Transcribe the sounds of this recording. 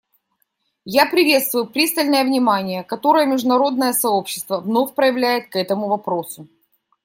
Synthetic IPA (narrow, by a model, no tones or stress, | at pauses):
japɾʲɪvʲe̞t̪st̪vʊjʊpɾʲist̪əlʲnəjəvnʲɪmanʲɪjəkɐt̪o̞ɾəjəmʲɪʐd̪ʊnɐɾo̞d̪nəjəsɐo̞pɕːɪ̥st̪vəvno̞fʲpɾəjɪvlʲæjɪt̪̚kɛt̪əmʊvɐpɾo̞sʊ